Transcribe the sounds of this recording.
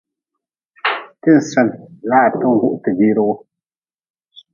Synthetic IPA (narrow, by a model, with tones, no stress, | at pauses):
tɨ˦˨n̩˨sɛ˦n˨laː˦˨tɨ˦ŋ̩˨ɡu˦ʔtɨ˨biː˦ɾɨ˦ɣʊ˦